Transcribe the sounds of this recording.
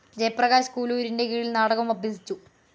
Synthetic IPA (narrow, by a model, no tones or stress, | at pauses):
d͡ʑejprɐɣaːsskuːluɾindekiːɻilnaːɽɐɣɐmɐbʱjɐsit͡ɕːu